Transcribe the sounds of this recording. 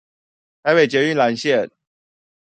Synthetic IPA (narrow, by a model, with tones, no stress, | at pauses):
t̪ʰa˨˧ɪpe˨˩t͡ɕjɛ˧˥y˥˨nla˧˦nɕjɛ˥˨